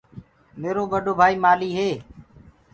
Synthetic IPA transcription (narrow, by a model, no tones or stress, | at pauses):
meːɾoːɓəɖʱoːbʱaːiːmaːliːɦeː